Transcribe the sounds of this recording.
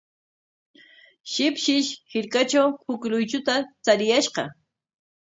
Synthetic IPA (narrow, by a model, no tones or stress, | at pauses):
ʃɪpʃɪʃhɪɾkat͡ʃawhʊklʊjt͡ʃʊt̪at͡saɾɪjaʃqɑ̰